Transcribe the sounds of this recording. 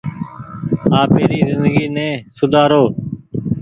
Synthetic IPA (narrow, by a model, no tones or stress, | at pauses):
haːpeːɾiːzɪnd̪əɡiːnɛ̃ːsʊd̪ʱaːɾoː